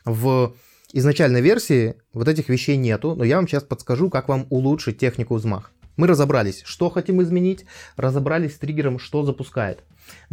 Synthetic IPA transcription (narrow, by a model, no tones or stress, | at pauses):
və | ɪznɐt͡ɕælʲnəjvʲe̞rsʲɪː | vot̪ɛt̬ʲɪxvʲɪɕːejnʲe̞t̪ʊnojavamɕaspət̪skɐʐukakvamʊlˠutʂɨt̚ʲːe̞xnʲɪkʊzma̰xmɨɾəzɐbɾalʲɪsʲʂt̪o̞xɐtʲimɪzmʲɪnʲitʲrəzɐbɾalʲɪsʲsʲt̪ɾʲiɡʲɪɾəmʂt̪o̞zəpʊskajɪ̰t̪